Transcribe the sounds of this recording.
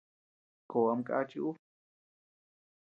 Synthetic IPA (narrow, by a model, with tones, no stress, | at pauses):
ko˨wamka̰t͡ʃu˦